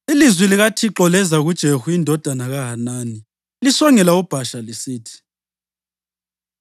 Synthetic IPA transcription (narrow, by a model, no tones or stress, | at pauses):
ilizwiliɣatʰiǁɔlɛzaɣud̥ʒ̥ʱehuindʱɔd̥ʱanaɣaɦanaːni | lisɔŋɛlaub̥ʱaʃalisiːtʰi̥